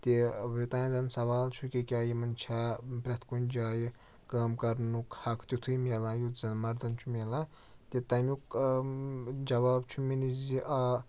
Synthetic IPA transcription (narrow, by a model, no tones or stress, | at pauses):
t̪ewot̪aːñzɐnsɐʋaːlt͡ʃʰukʲikʲaːjimɐnt͡ʃʰapɾʲɐt̪ʰkund͡ʒaːji | kaːmkɐɾnukhɐkʰt̪ʲut̪ʰujmʲelãːjut̪zɐnmɐɾd̪ɐnt͡ʃʰumʲelãː | t̪et̪ɐmʲjuk | d͡ʒɐʋaːb̚t͡ʃʰuminiziʔa